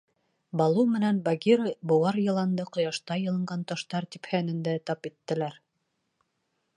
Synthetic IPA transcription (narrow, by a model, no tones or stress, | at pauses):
bɑlˠumɘ̆nænbaɡʲiɾɤbŏwɑɾjɤ̆lˠɑnd̪ɤqŏjɑʃt̪ɑjɤ̆lˠɤ̆ɴɢɑnt̪ɑʃt̪ɑɾt̪iphænɘ̆nd̪æt̪ɑpit̪ːɘ̆læɾ